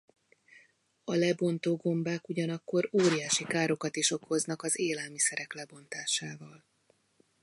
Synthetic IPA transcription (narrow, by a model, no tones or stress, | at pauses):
ɒlɛbo̞nt̪oːɡo̞mbaːkuɟɒnɒkːo̞ɾoːɾijaːʃikaːɾo̞kɒt̪iʃo̞kho̞znɒkɒzeːlɛlmisɛɾɛklɛbo̞nt̪aːʃaːvɒl